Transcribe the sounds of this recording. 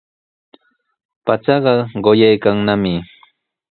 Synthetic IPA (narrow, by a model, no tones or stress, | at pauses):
pat͡ʃɑɢɑɢojajkaŋnamɪ